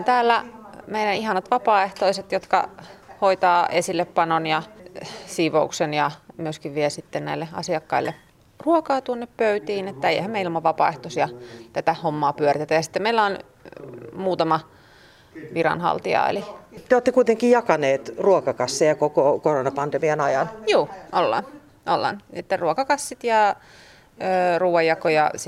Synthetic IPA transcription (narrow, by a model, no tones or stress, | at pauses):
nt̪æːlːæmeilænihɑnɑt̪ʋɑpɑːeht̪oiset̪jot̪kɑ̰hoit̪ɑːʔesilːeppɑnonjɑ | siːʋouksenjɑmyøskiʋʋielsit̪ːennæilːeɑ̰siɑkːɑilːḛ | ruokɑːt̪uonːeppøyt̪iːnet̪ːæeiehæmeilmɑʋʋɑpɑ̰ːˑeht̪osiɑt̪æt̪æhomːɑːpyørit̪et̪æjɑsi̥t̪ːemeilːæon | muːt̪ɑmɑ | ʋirɑ̰nhɑ̰lt̪iɑ̰ḛlit̪eoːt̪ːekuit̪eŋkijjɑkɑneːt̪ruokɑkɑsːejɑkokokoronɑpɑnd̪emiɑnɑjɑnjuːʔolːɑ̰n | ʔolːɑ̰net̪ːerruokɑkɑsːit̪jɑ | øːruːʋɑjɑkojɑ̰s